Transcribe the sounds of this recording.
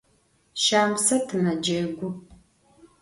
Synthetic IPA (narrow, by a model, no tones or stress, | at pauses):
ʃaːmsɐtʰɨmɐd͡ʒɐɡʷʊ